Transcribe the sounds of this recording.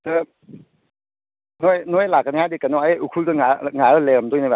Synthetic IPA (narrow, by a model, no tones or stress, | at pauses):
tɯ | nojnojlakanihadikanɔaukʰudɯŋaŋaɯlemdojnaba